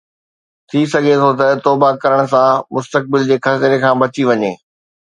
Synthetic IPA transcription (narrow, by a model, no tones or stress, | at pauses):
t̪ʰisɐɡʱet̪ʰot̪ɐt̪ɔːbakɐɾəɽ̃ʊ̆s̬ãmʊst̪ək̚bɪld͡ʑeːxɐt̪ɪɾekʰãːbɐt͡ɕiʋɐɲḛː